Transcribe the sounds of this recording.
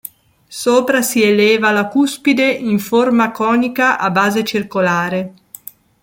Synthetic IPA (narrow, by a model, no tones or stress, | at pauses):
soːpɾasieleːvalakuspid̪eʔiɱformakɔːnikaʔabaːzet͡ʃirkolaːɾe